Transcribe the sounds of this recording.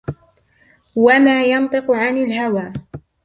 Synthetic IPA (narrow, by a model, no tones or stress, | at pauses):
wamaːjɑnt̪ˤɨqʊʕanɪlɦawaː